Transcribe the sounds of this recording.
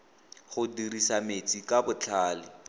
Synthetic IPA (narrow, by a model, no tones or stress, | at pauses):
χʊdirisamet͡sʼikabʊt͡ɬʰaːlɪ